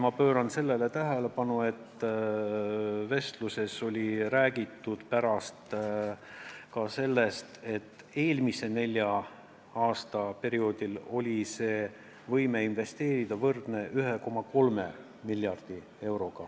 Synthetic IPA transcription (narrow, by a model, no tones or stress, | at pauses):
mɑpø̞ːɾɑnse̞lːe̞le̞t̪æɦe̞le̞pɑnue̞t̪ː | ve̞st̪luse̞so̞lʲiɾæːɡ̥it̪ːˑud̪̥pæɾɑst̪ | kɑse̞lːe̞st̪e̞t̪ːˑ | e̞ːlmise̞ne̞lʲjɑ | ɑːst̪ɑpe̞ɾio̞ːd̪̥ilo̞lʲise̞ː | vɤjme̞inve̞st̪e̞ːɾid̪̥ɑvɤrd̪̥ne̞ʔyɦe̞ko̞mɑko̞lme | miljɑrd̪̥i | e̞wɾo̞ɡ̥ɑ